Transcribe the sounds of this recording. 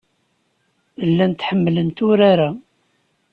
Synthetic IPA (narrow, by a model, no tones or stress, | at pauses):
əlːænt̪ħəmːlənt̪ʊɾaɾa